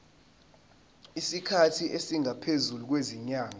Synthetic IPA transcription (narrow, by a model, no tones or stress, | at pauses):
isikʰatʰiʔesiŋʱapʰezuluk̬weziɲaːŋa